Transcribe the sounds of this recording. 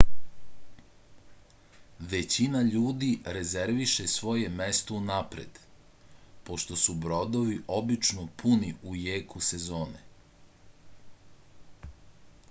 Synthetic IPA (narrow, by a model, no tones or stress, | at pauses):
ʋe̞t͡ɕinaʎuːd̪iɾe̞ze̞ɾʋiʃesʋo̞je̞mest̪o̞unapɾḛd̪̥ | po̞ʃt̪o̞subɾo̞d̪o̞ʋiʔo̞bit͡ʃnopʰuniujeːkuse̞zoːne